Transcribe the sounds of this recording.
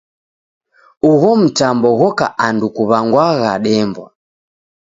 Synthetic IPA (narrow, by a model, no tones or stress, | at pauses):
uɣɔm̩tambɔɣɔkaʔandukuβaŋɡwaɣaɗɛmbwa̰